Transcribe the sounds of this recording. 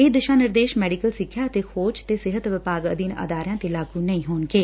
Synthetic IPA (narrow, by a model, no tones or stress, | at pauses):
ɪd̪ɪʃãːnɪɾd̪eːʃmɛːɖikəlsɪkʰːjaːt̪eːxʰoːd͡ʒt̪eːsɪɦət̪ʋɪpaːɡə̰d̪iːnə̰d̪aːɾjãːt̪elaːɡuːnəĩːɦoːnɡeː